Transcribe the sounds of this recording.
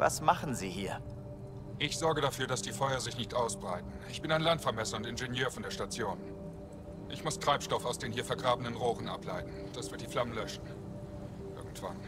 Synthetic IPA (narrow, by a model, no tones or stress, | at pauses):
va̰smaχn̩zḭːhḭːɐ | ʔɪçz̥ɔɐɡəɾafyːɐdasd̥iːfɔʏɐzɪçnɪçtʔaʊsb̥ʁaɪtn̩ɪçb̥ɪnaɪnlantfɛɐmɛsɐʊntɪnʒenjøːɐfɔndeːɐʃtat͡sjoːn | ʔɪçmʊstʁ̥aɪpʃtɔfaʊsd̥eːnhiːɐfɛɐɡʁaːbənənʁoːʁənʔa̰pʰla̰ɪtn̩d̥asv̥ɪɐt̚d̥iːflamənlœʃn̩ | ʔɪɐɡŋ̩tv̥a̰n